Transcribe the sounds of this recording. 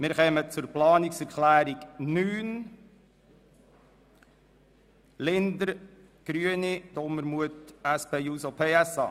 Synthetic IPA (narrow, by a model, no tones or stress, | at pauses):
mɪɾχɛmət͡sʊɾplɑːniksɛɾklæːɾiɡnyːn | lɪnd̪əɾ | ɡ̥ɾyənid̪̥ɔməɾmuətæspʰeːjuːsopʰeːæsɑ̰ː